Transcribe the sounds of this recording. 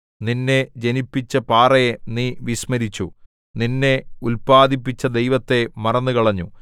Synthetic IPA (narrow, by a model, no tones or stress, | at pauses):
ninːe̞d͡ʑe̞nipːit͡ɕːɐpaːrɐjeniːʋiɕmɐɾit͡ɕːu | ninːe̞ulpaːd̪ipːit͡ɕːɐd̪e̞jʋɐt̪ːe̞mɐrɐnːukɐɭɐɲːu